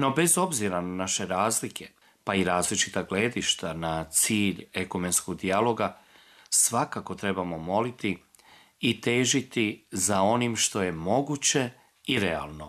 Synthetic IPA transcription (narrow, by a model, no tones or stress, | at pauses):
no̞be̞zo̞bziɾananaʃe̞ɾaːzlikʰe̞ | paiɾaːzlit͡ʃit̪aɡle̞ːd̪iʃt̪anat̪siːʎe̞kome̞nskoɡd̪ialo̞ɡa | sʋakako̞t̪ɾe̞bamo̞mo̞lit̪i | it̪eːʒit̪izao̞nimʃt̪o̞je̞mo̞ɡuːt͡ɕe̞ | iɾe̞a̰lˠno̞